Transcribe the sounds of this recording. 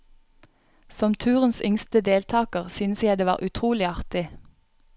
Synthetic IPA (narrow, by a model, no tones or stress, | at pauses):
sɔmt̪ʰʉːʁənsʏŋst̪əd̪eːlt̪ʰɑːkəʁsʏnsjæd̪eːʋɑ̰ːʁʔʉt̪ʰʁuːlɪɑʁt̪ɪ